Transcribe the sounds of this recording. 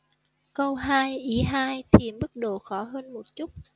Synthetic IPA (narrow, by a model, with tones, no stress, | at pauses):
kə˧wɦaː˧jʔi˨˦ɦaː˧jt̪ʰi˨˩mɓɨ˦˥k̚ɗo˧˩xɔ˨˦ɦəː˧nmo˨˩t̚t͡ɕu˦˥t̚